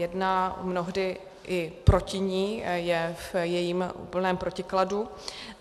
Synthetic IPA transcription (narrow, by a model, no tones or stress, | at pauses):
jɛdnamno̞ɦdɪ | ʔɪpɾo̞cɪɲiːjɛfjɛjiːmʔṵːpl̩nɛːmpɾo̞cɪkladu